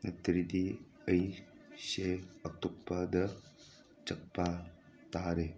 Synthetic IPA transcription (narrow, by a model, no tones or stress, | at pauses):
nɐt̪ɾidi | əjseɐk̚t̪uk̚padɐ | t͡ʃɐk̚pa | taɾe